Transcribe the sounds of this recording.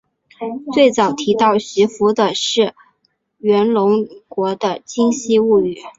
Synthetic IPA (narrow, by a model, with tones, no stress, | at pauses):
t͡swe˥˩ɪt͡sɑ˨˩ʊt̪ʰi˧˥t̪ɑ˥˩ʊɕy˧˥fu˧˥d̪ə˧ʂɻ̩˥˩ | ɥɛ˧˥nlʊ˧˥ŋkwɔ˧˥d̪ə˧t͡ɕi˥ŋɕi˥u˥˩y˥˩˦